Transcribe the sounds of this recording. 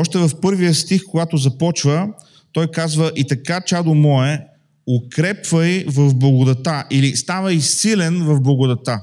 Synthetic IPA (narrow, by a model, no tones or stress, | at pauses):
ɔʃt̪ɛvɐfpɤɾvijəst̪ixkoɡat̪ʊzɐpɔt͡ʃvə | t̪ɔjkazvəʔit̪ɐkat͡ʃad̪ʊmɔɛ | ʊkɾɛpvəivɐvblˠɐɡʊd̪ɐt̪aʔilist̪avəisilɛnvɐvblˠɐɡʊd̪ɐt̪a